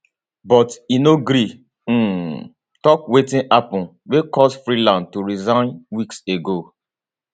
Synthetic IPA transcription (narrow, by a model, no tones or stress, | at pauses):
bɔtinoɡɾi | tɔkwetĩnapɔ̃n | wekɔsfɾilãndtuɾizãnwikseɡo